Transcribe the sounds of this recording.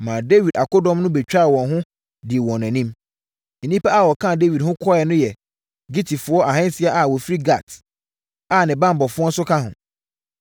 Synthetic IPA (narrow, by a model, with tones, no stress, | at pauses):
mã˨de˦wi˨da˨kʊ˦dɔ̃˦mnʊ̃˦bɛ˨t͡ɕᶣɾa˦˨wɔ̃˨nɦʊ̃˦ | dɪ˨wɔ̃˨næ̃˨nĩ˦m | e˨nĩ˦pa˦a˨wɔ˨kʰã˦˨de˦wi˨dhʊ̃˦kʰɔ˦ɛ˨nʊ̃˦jɛ˨ | ɡi˦tʰi˨fʊ˨˦ɔ˦ʔa˨ɦɛ̃˦n˦sɪ˦a˦ʔa˨wɔ˨fi˦ɾi˦ɡa˨t | a˨nɪ̃˨bã˦m˨bɔ˨fʊ˦ɔ˦n˦sʊ˦kʰa˦ɦʊ̃˨